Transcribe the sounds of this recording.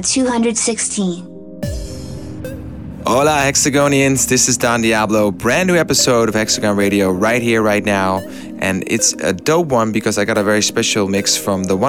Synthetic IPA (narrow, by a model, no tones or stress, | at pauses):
tʰuhʌ̃ndɹɨdsɪkstʰĩn | ʔɔʊlahɛksɨɡõʊ̃ñiɨ̃nzðɪsɨzdɑ̃ndiæbloʊbɹæ̃nːʉɛpɨsoʊɾʌv̥hɛksɨɡɑ̃nɹeɪɾioʊɹaɪt̚hiɹɹaɪtⁿnaʊ | ʔɨ̃nɪ̰tsɨ̰doʊpwʌ̃nbɨkʰʌzaɪɡɑɾɨvɛɹispɛʃl̩ˠmɪksfɹʌ̃mðəwʌ̃